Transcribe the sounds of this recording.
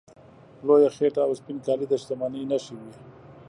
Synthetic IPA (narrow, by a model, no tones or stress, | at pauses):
lojaxeʈaːwspinkɑlid̪aʃt̪amaninaʃiwi